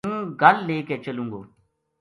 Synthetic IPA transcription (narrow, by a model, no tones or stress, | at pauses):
ɡəlːeːkeːt͡ʃəlũːŋɡoː